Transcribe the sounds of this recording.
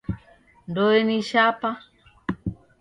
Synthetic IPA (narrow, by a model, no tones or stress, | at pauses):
ndɔɛniʃapa